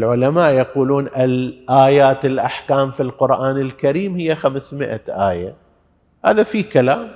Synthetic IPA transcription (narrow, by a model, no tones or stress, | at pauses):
lʕʊlamaːʔjaquːluːnʔɪlʔaːjaːt̪ɪlʔaħkaːmfilqʊɾʔaːnɪlkaɾiːmhɪjːaxamsmɪʔaʔaːja̰ | ha̰ːðafikalaːm